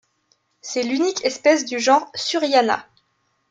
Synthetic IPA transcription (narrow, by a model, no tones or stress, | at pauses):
sɛlynikʰɛspɛsd̪yʒɑ̃ʁsyʁjana̰